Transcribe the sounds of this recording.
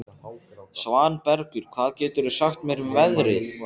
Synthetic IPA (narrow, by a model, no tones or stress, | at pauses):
svaːnpɛɾkʏɾ̥kʰv̥aːðcɛːt̪ʏɾʏsaxt̪mjɛɾʏmvɛðɾɪθ